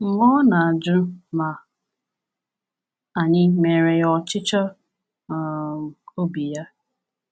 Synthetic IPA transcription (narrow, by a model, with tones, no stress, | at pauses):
ŋ̩˨ŋɔ˦na˨a˨d͡ʒʊ˦ma˨ | a˨ɲɪ˦me˨ɾe˨jɔ˨t͡ʃɪ˦t͡ʃɔ˦˨ | o˦bi˨ja˦